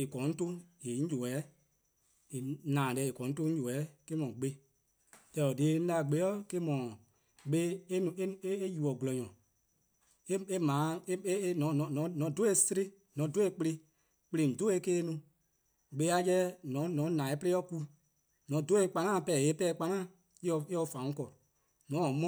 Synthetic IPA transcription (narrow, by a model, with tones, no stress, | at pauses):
e˨kɔ̃˨˦n̩˦tõ˦je˨˦ɲ̩˦d͡ʒo˨ɛ˨˦ | e˨nãː˨lɛ˨e˨kɔ̃˨˦n̩˦tõ˦d͡ʒo˨ɛ˨˦ke˦mɔ̃˨ɡ͡be˧˦ | tɛ˧lɔ˨deː˨˦n̩˦la˧˨ɡ͡be˨˦ɔ˦ke˦mɔ̃˨ | ɓe˦nũ˧˦e˦e˦e˦ju˨ɔ˨ɡlɔ˨ɲɔ̃˨ | e˦e˦mãː˨˦e˦nɔ̃˨˦nɔ̃˨nɔ̃˨˦nɔ̃˨˦do˦e˧˦si˦ɾi˦ | nɔ̃˨˦do˨˦e˧˦k͡pe˧le˧ | k͡plĩ˨n̩˨do˦e˧˦keː˦nũ˧ | ɡ͡be˧˦a˦jɛ˦nɔ̃˨˦nɔ̃˨˦nãː˨e˨˦pe˦ɔ˦ku˧ | nɔ̃˨˦do˦e˧˦k͡pa˦ŋãː˦˨pɛ˨e˨˦pɛː˦˨˦k͡pa˧ŋãː˦˨ | i˦ɔ˧e˦ɔ˧fã˨ũ˦kɔ˨ | nɔ̃˨˦ɔ˨mɔ̃˦